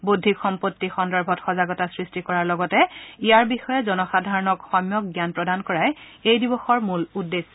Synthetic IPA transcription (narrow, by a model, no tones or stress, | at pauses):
budʱːikxɔmpotːixɔndaɹbʱɔtxɔzaɡɔtasɹistikɔɹaɹlɔɡɔtɛijaɹbixɔjɛzɔnɔxadʱaɹɔnɔkxɔmjɔk̚ɡjanpɹɔdankɔɹajejdibɔxɔɹmuludːes